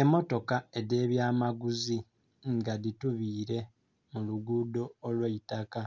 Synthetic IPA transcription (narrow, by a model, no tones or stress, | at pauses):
e̞mo̞to̞kae̞de̞ːβjaːmaɡuzi | ŋɡadituβiːɾe̞ | muluɡuːdo̞ːlweitaka